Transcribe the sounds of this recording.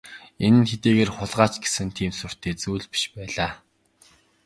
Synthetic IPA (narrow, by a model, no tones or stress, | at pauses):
enɘ̆nxet̪eːɣeːrχʊɮʁaːt͡ɕɡe̥sɘ̆nt̪ʰiːmsʊr̥t̪ʰeːt͡suːɮpi̥ʃpæːɮaː